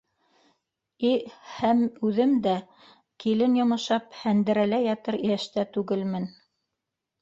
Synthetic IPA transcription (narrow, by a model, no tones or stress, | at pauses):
ihæmʉðɘmd̪æ | kilɘnjŏmɤ̆ʃɑphænd̪ɘ̆ɾælæjɑt̪ɤɾijæʃt̪æt̪ʉɡɘlmɘn